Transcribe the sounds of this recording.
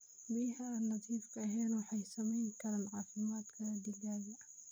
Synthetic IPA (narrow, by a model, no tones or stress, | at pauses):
bihanːat̪ˤiːfkaɦeːnwħajsamːinkanalʕafimaːt̪kad̪ilɡaːbi